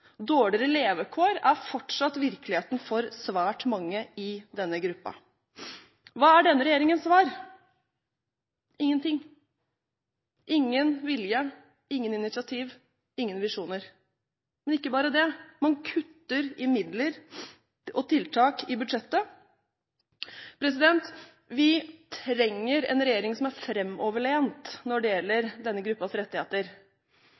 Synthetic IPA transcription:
d̪oːɽɪɾəleːʋəkʰoːɾæɾfɔʈʂɑt̪ʋɪɾklɪheːt̪n̩fɔɾsʋæːʈmɑŋːəɪd̪ɛnːəɡɾʉpːɑ̰ | ʋɑːæɖɛnːəɾɛjeːɾɪŋənsʋæːɾ | ɪŋːənt̪ɪŋː | ʔɪŋːənʋɪljə | ɪŋːənɪnɪt̪sɪɑt̪ʰiːʋ | ɪŋːənʋɪʂuːnəɾ | mɛnɪkːəbɑːɾəd̪ɛmɑnkʰʉt̪ːəɾɪmɪd̪ləɾ | ɔt̪ʰɪlt̪ʰɑːkɪbʉd̪ʂɛt̪ːə | pʰɾɛsɪd̪ɛnt̪ | ʋɪt̪ʰɾɛŋːəɾɛ̰nɾɛjeːɾɪŋsɔmæɾfɾɛmːɔːʋəɭeːnt̪nɔɖɛjɛlːəɾd̪ɛnːəɡɾʉpːɑsɾɛt̪ːɪheːt̪əɾ

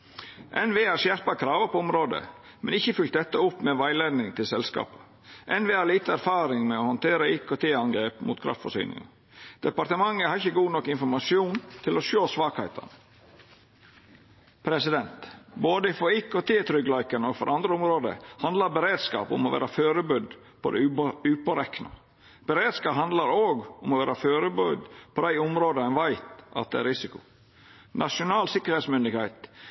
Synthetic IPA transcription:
ʔɛnʋeːhɑɾʂjæɾpɑkʰɾɑːʋəpɔʊmɾoːd̪ə̰ | mɛnɪçːəfʏlt̪̚d̪ɛt̪ːəʊpːmɛʋæɪleːd̪nɪŋt̪ʰɪlsɛlskɑ̰ːpə | ʔɛnʋeːhɑɾliːt̪əæɾfɑːɾɪŋmɛohɔnt̪ʰeːɾəiːkʰoːt̪ʰeːɑŋɡɾeːpmuːt̪kʰɾʔɑ̰ft̪fɔ̰ʂy̰ːnɪ̰ŋ̰ | d̪̥ɛpɑɾt̪əmɑŋːəhɑɾɪçəɡuːnɔkːɪnfɔɾmɑsɪuːnt̪ʰɪloʃoːsʋɑːkhæɪt̪ʰɑ̰nə | pʰɾɛsɪd̪ɛnt̪boːd̪əfɔɾikot̪ʰeːt̪ʰɾʏɡlɑɪkənɔfɔɾʔɑnd̪ɾəʊmɾoːd̪ə̰hɑnd̪lɑɾbəɾeːd̪skɑ̰ːpʊ̰mɔʋæ̰ːɾɑføːɾəbʉd̪ | pʰɔ̰d̪ɛ̰ʉʉːpɔɾɛkːnɑ̰ | b̥əɾeːd̪skɑːpɦɑnd̪lɑɾoːɡʊmɔʋæːɾɑføːɾəbʉd̪pʰɔd̪æɪʊmɾoːd̪əɛnʋæɪt̪ɑ̰t̪̚d̪ɛæɾɪsɪkʊ̥ | nʔɑʂʊnɑːlsɪkːəɾheːt̪smʏnd̪ɪɡhæɪt̪

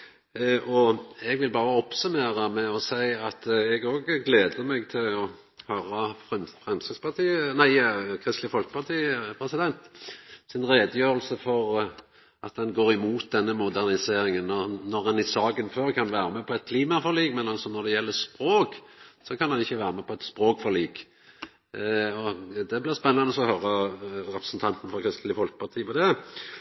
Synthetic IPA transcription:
ʔɔɛɡʋɪlbɑːɾəɔpsʉmeːɾɑmɛɔsæɪɑt̪ɛɡoːɡɡleːd̪əmɛɡt̪ʰɪlɔ | høːɾɑfʁɛmsəspʰɑt̪ʰiːənæɪkʰʁɪst̪lɪfɔlkə̥pʰɑʁt̪ʰiːəpʰɾɛsɪd̪ɛnt̪sɪnʁeːd̪əjøːɾəlsəfɔʁ | ɑt̪̚d̪ɛnɡoːʁɪmuːt̪̚d̪ɛnːəmʊd̪æʁnɪseːɾɪŋənːɔʁnɔɾɛnɪsɑːɡənføːʁkʰɑnʋæːɾəmɛpʰɔɛt̪̚kʰliːmɑfɔʁliːɡmɛnɑlsɔnɔʁd̪ɛjɛlːəspɾoːksɔkʰɑnhɑnɪçːəʋæːʁəmɛpʰɔɛt̪spʁoːkfɔʁliːɡ | ɔd̪ɛblɪʁspɛnːɑnəɔsɔɔhœɾːəɾɛpɾəsn̩t̪ʰɑnt̪n̩fɔʁkʰʁɪst̪lɪfɔlkə̥pʰɑʁt̪ʰiːəpʰɔd̪ɛ

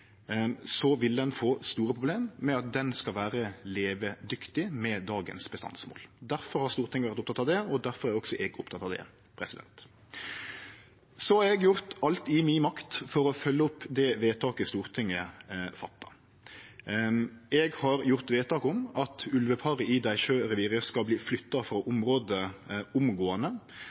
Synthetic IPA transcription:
sɔʋɪld̪ɛnfoːst̪uːɾəpʰʁʊbleːmːɛɑt̪̚d̪ɛnskɑlʋæːɾəleːʋəd̪ʏkt̪ɪmɛd̪ɑːɡənsbəst̪ɑ̰nsmo̰ːld̪æɾfɔɾhɑɾst̪uːɾt̪ʰɪŋːəʋæɾt̪ʊpt̪ʰɑt̪ɑʋd̪ɛɔd̪æɾfɔɾæɾɔksɔʔɛɡʊpt̪ʰɑt̪ːɑːʋd̪ɛ̰ | pʰɾɛsɪd̪ɛ̰nt̪ | sɔhɑɾɛɡjʊɾt̪ɑlt̪ɪminmɑkt̪fɔɾɔfœlːəʊpːd̪ɛʋeːt̪ʰɑːkəst̪uːɾt̪ʰɪŋːəfɑt̪ːɑ | ɛɡhɑɾjʊʁt̪ʋeːt̪ʰɑːkʊmɑt̪ʰʉlʋəpʰɑɾəʔɪd̪æɪʃøːɾɛʋiːɾəskɑbliːflʏt̪ːɑfɾɑʔʊmɾoːd̪əʊmɡoːənə

